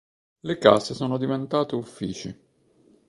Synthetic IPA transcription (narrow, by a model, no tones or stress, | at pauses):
leka̰sesoːnod̪ivent̪aːt̪eufːiːt͡ʃi